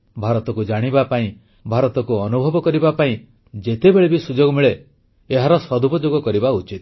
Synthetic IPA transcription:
bʱaɾɔt̪ɔkud͡ʒaɽ̃ibapaĩ | bʱaɾɔt̪ɔkuɔnubʱɔbɔkɔɾibapaĩ | d͡ʒet̪ebeɭebisud͡ʒoɡɔmiɭeː | ɦaɾɔsɔd̪ʱupɔd͡ʒoɡɔkɔɾibaut͡ʃit̪̚

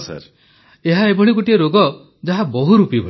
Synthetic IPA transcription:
sa̰ɾ | eɦaebɔɭiɡuʈieɾoɡɔ | d͡ʒaɦabɔɦuɾupibʱɔ̰ɭi

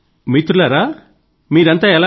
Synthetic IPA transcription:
mit̪ɾulaɾaː | miːɾɐnt̪aːɛla

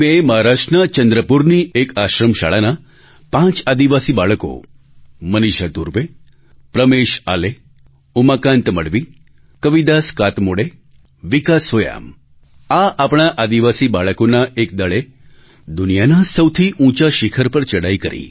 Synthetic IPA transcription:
meməɦaɾaɳat͡ɕənd̪ɾəpuɾniːekaɕɾəmɕa̰ɭana | pãt͡ʃad̪iʋasiːbaɭko̰ | məniʃat̪uɾʋe | pɾəmeʃa̰le | umakant̪məɽʋi | kəʋid̪askat̪moɽe | ʋikasɦoja̰m | aʔapɳaʔad̪iʋasiːbaɭkonaʔek̚d̪əɭe | d̪unijanasəwt̪ʰiːʔũt͡ɕaɕikʰəɾpəɾt͡ɕəɽaikəɾḭ̃ː

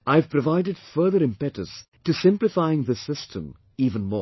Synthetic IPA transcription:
ʔaɪv̥pʰɹɨvaɪdɨdfɜ˞ðəɾɨ̃mpɛtəs | tɨsɪ̃mplɨfaɪɪ̃ŋðəsɪstʰə̃m | iːvə̃nmɔ̰ː

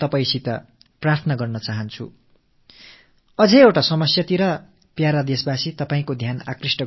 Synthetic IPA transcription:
t̪ʌpaĩsit̪ʌ | prart̪ʰʌnʌɡʌrnʌt͡saɦʌnt͡sʰṵ | ʌd͡zeewʈasʌmʌsjat̪iɾʌ | pjaɾad̪esbasit̪ʌpaĩkod̪ʱjana̰krisʈʌ

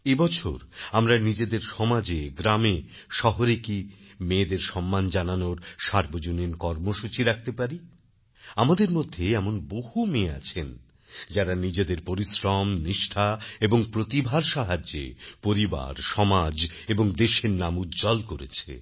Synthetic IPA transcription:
ebɔt͡ɕʰo̰ɾamɾanid͡ʑed̪eɾʃɔmad͡ʑeɡɾame | ʃɔɦoɾekimed̪eɾʃɔmːand͡ʑananoɾʃaɾbod͡ʑuneɾkɔɾmoʃut͡ɕiɾak̚t̪epaɾi | amad̪eɾmod̪ʱːeɛmonboɦumea̰t͡ɕʰen | d͡ʑaɾanid͡ʑed̪eɾpoɾisɾɔmniʃʈʰaeboŋpɾot̪ibʱaɾʃaɦad͡ʑḛpoɾiba̰ɾʃɔmad͡ʑ | eboŋd̪eʃeɾnamud̪d͡ʑɔlkoɾḛt͡ɕʰḛ

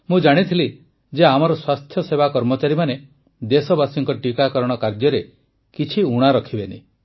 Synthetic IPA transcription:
mũd͡ʒaɽ̃it̪ʰili | d͡ʒeamɔɾɔswast̪ʰjɔsebʱakɔɾmɔt͡ʃaɾimane | d̪esɔbasiŋkɔʈikakɔɾɔɽ̃ɔkaɾd͡ʒjɔɾe | kit͡ʃʰiuɽ̃aɾɔkʰibenḭ̃

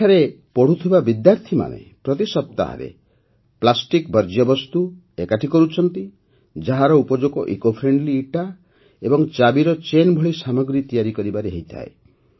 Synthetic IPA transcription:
eʈʰaɾe | pɔɽ̤ut̪ʰibabid̪jaɾt̪ʰima̰nḛpɾɔt̪isɔp̚t̪a̰ɦa̰ɾḛ | plasʈikbɔɾd͡ʒjɔbɔst̪u | ekaʈʰikɔɾut͡ʃʰɔnt̪i | d͡ʒaɦaɾɔupɔd͡ʒoɡɔʔḭkopʰɾeɳɖliːʈa | ebɔŋt͡ʃabiɾɔt͡ʃenbʱɔɭisamɔɡɾit̪ijaɾikɔɾibaɾeɦijt̪ʰa̰ḛ

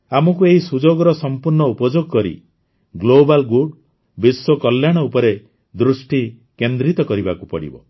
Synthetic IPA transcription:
amɔkueɦisud͡ʒoɡɔɾɔsɔmpuɾɳɔupɔd͡ʒoɡɔkɔɾḭ | ɡlobalɡuɽ | biswɔkɔlːjaɽ̃ɔupɔɾe | d̪ɾusʈi | kend̪ɾit̪ɔkɔɾibakupɔɽḭbɔ̰

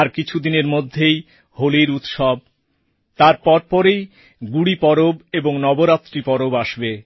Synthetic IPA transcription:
aɾkit͡ɕʰud̪ineɾmod̪ʱːej | holiɾut̪ʃɔb̚ | t̪aɾpɔɾpɔɾej | ɡuɽipɔɾobeboŋnɔboɾat̪ːɾipɔɾobaʃbe

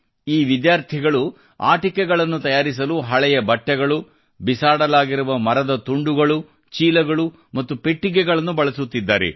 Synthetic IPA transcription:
iːʋid̪jaːɾt̪ʰiɡɐɭu | a̰ːʈikɛɡɐɭɐnːut̪ɐjaːɾis̬ɐluɦɐɭɛjɐbɐʈːɛɡɐɭu | bisaːɽɐlaːɡiɾuʋɐmɐɾɐd̪ɐt̪uɳɖuɡɐɭu | t͡ʃiːlɐɡɐɭu | mɐt̪ːupe̞ʈːiɡɛɡɐɭɐnːubɐɭɐsut̪ːid̪ːaːɾḛ

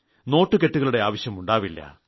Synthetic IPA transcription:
no̞ːʈːɨke̞ʈːuɣɐɭuɽe̞aːʋɐɕjɐmuɳɖaːʋilːɐ̰

